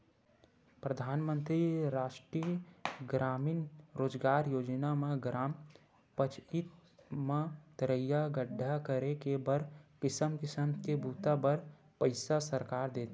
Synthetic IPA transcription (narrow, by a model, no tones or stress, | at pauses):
pɾəd̪ʱaːnmə̃nt̪ɾiɾaːʃʈɾiəɡɾaːmiːnɾoːd͡ʒɡaːɾjoːd͡ʒnamẽɡɾaːm | pət͡ʃʰit̪mãt̪əɾəjaɡəɖʱːakəɾekebəɾkɪsəmkɪsəmkebʱuːt̪abəɾ | pəɪsasəɾkaːɾd̪eːt̪ː